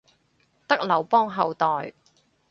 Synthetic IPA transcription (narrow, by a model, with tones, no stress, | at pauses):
t̪ɐ˥k̚lɐ˨˩wpɔː˥ŋɦɐ˨˧wt̪ɔː˨˩j